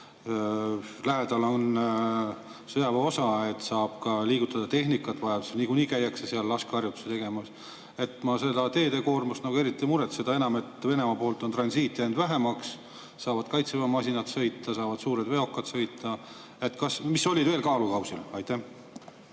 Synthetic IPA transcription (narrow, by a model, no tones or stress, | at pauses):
læɦed̪̥ɑlo̞n | sɤjɑvɑo̞sɑe̞t̪sɑːb̥kɑliːɡ̥ut̪ːˑɑd̪̥ɑt̪e̞ɦnikːˑɑt̪ːvɑevsnikuniːkæjːɑkseseɑlːɑskɑrjut̪ːu̥set̪e̞ɡ̥e̞mɑs | e̞t̪ˑmɑse̞d̪̥ɑt̪e̞ːd̪e̞ko̞ːrmusnɑɡue̞ɾit̪ˑːimuɾet̪se̞d̪ɑe̞nɑme̞t̪ve̞ne̞mɑpo̞ːlt̪ːˑont̪rɑnsiːt̪ːˑiend̪̥væɦemɑksː | ɑːvɑd̪̥kɑjt̪sevɑmɑsʲinɑt̪sɤ̞jt̪ːˑɑsɑːvɑd̪suːɾed̪ve̞o̞kːˑɑt̪sɤ̞jt̪ːˑɑ | e̞t̪ːkɑsmisːo̞lʲːid̪veːlkɑːlukɑwsilɑjt̪ːæh